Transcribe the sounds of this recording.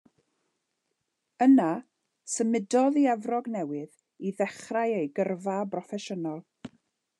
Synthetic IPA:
əna | səmɪdɔðiavrɔɡnɛwɨð | iðɛχrajejɡərvabrɔfɛʃənɔlˠ

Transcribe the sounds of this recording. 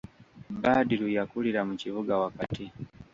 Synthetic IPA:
badilujakuliɾamut͡ʃivuɡawakati

